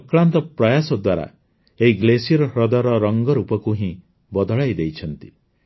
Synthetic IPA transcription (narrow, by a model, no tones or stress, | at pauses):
kɭant̪ɔpɾɔjasɔd̪waɾa̰ | eɦiɡlesiɔɾɔɦɾɔd̪ɔɾɔɾɔŋɡɔɾupɔkuɦĩ | bɔd̪ɔɭajd̪ejt͡ʃʰɔnt̪i̥